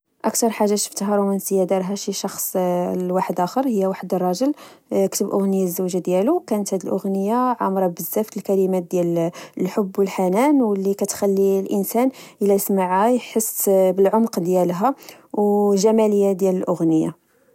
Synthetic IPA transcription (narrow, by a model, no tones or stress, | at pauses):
ʔækt̪ɑɾˤħaʒːaʃə̥ft̪ɦɑɾˤwmænsəjæd̪ɑɾˤɦæʃiʃɑxsˤwaħəd̪ʔæxəɾˤhəjːæwaħəd̪ərˤːɑʒəl | kt̪əbʔʊɣnəjazːæwʒad̪jælukænət̪hæd̪əlʔʊɣnəjːaʕamɾˤɑbəzːæft̪əlkælimæt̪̚d̪jæləlħobːwəlħanænwəlːikæt̪xælːilʔənsænʔəlæjsmaʕajħəsːbəlʕomqd̪jælɦæwʒæmæləjːad̪jæləlʔʊɣnəja̰